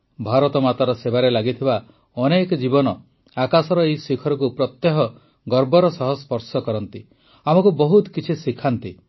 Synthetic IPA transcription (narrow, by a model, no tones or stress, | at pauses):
bʱaɾɔt̪ɔmat̪aɾɔsebaɾelaɡit̪ʰiba | ɔnekɔd͡ʒibɔnɔ | akasɔɾɔejsikʰɔɾɔkupɾɔt̪jeɦɔ | ɡɔɾbɔɾɔsɔɦɔspɔɾsɔkɔɾɔnt̪i | amɔkubɔɦut̪kit͡ʃʰisikʰant̪i